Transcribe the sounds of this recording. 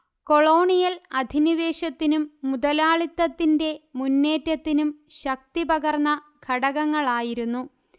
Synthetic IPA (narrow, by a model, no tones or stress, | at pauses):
ko̞ɭo̞ːɳijɐlɐd̪ʱiniʋe̞ːɕɐt̪ːinumːud̪ɐlaːɭit̪ːɐt̪ːinde̞munːe̞ːtːɐt̪ːinumɕɐk̚t̪ibɐɣɐrnːɐ | ɡʰʱɐɽɐɣɐŋːɐɭaːjiɾunːu